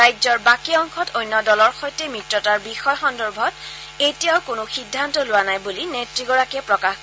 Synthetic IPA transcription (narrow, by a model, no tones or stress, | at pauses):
ajzɔɹbakiɔŋxʰɔtojnːɔdɔlɔɹxɔjtɛmɹitɹɔtaɹbixɔjxɔndɔɹbʱɔt | ejtijaʊkʊnʊxidʱːantɔlʊwanajbulinetɹiɡɔɹakiɛpɹɔkax